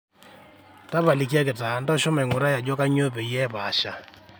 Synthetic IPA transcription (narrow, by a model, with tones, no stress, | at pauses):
ta˦βa˨li˨ki˦a˦kɪ˨ta˨˦ndɔ˦ʃɔ˦mɛ˨ŋʊ˨ɾa˦ja˨d͡ʒɔ˦ka˦ɲo˦p̬e˨jɛ˦pa˨ʃa˨